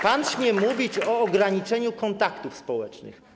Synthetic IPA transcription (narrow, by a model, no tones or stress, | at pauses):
panɕmʲjɛmuvʲit͡ɕɔːɡɾaɲit͡ʂɛɲukɔnt̪akt̪ufspɔwɛt͡ʂnɘ̰x